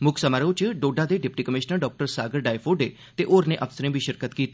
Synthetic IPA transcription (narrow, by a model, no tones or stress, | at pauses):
mʊkʰsəmaɾot͡ʃəɖoːɖad̪eɖɪp̚ʈikəmɪʃnəɾɖɔːk̚ʈəɾsaːɡəɾɖaːjfoɖe | t̪eʔoːɾneʔɐʋsəɾẽbʱiʃəɾkət̪kiːt̪